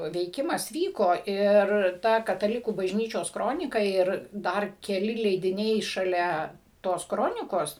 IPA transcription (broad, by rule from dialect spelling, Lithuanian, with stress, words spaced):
ʋʲɛɪˈkʲɪmɐs ˈʋʲiːkoː ˈɪr ˈtɐ kɐtɐˈlʲɪkuː bɐʒʲˈnʲiːt͡ʃʲoːs ˈkroːnʲɪkɐ ˈɪr ˈdɐr kʲɛˈlʲɪ lʲɛɪdʲɪˈnʲɛɪ ʃɐˈlʲɛ ˈtoːs ˈkroːnʲɪkoːs